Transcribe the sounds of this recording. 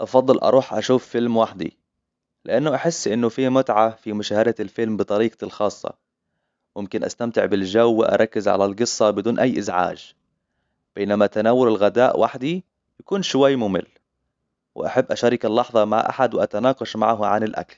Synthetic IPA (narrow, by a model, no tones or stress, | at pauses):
ʔɑfɑd̪ˤːɨlʔɑ̰ɾˤuːħʔaʃuːfːɪlmwaħd̪ḭ | lɪʔanːʊʔaħɪsːʔɪnːʊfiːmʊt̪ʕafimʊʃaːhad̪alfɪlmbɨt̪ˤɑɾiːqlxɑːsˤːɑ̰ | mɪmkɪnʔa̰st̪amt̪ɪʕbɪlʒawːɪʔɑ̰ɾˤɑkːɪzʕa̰lalɡɨsˤːɑbɪd̪uːnʔajːʔɪzʕa̰ːʒ | b̥eːnamat̪anawːʊɾɪlɣad̪aːʔwʔa̰ħd̪i | jakuːnʃʊwajːmʊmɪ̰lː | wɪ̰ʔaħabːʔaʃaɾɪkɪlːɑħðˤɑma̰ʕʔa̰ħad̪wɪʔat̪anɑːqɑʃma̰ʕɦʕanɪlʔa̰kl